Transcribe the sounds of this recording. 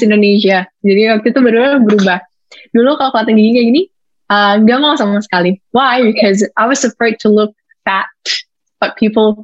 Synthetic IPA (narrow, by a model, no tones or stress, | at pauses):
ɪ̃ndoneʃad͡ʒadiwak̚t̪ut̪ubəɾubabəɾubah | dulokalokəlat̪aŋɡiɡiɲaɡini | əŋɡamalasamasə̥kaliwajbikʰɔzʔaɪwʌz̥əfɹaɪd̚tʰulʊk̚ | fæt̚ | b̥ʌt̪̚pʰipəlˠ